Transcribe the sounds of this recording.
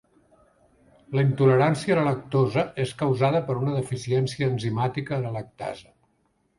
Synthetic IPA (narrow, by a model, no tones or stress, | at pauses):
ləint̪uləɾansiələlək̚t̪ozəʔeskəwzaðəpəɾunəðəfisiɛnsiəːnzimat̪ikələlək̚t̪a̰zə